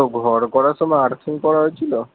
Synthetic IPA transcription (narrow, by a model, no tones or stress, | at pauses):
oɡʱɔɾkɔɾasɔmɔjaɾt̪ʰiŋkɔɾaɦojt͡ʃʰilo